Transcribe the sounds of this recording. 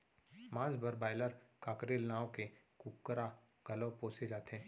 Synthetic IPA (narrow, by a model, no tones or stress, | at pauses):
mãːd͡ʒbəɾbaːɪləɾkaːkɾeːlnaːõke | kukːɾa | ɡ̥ɐlõpoːsed͡ʒaːt̪eɦɛ̃ː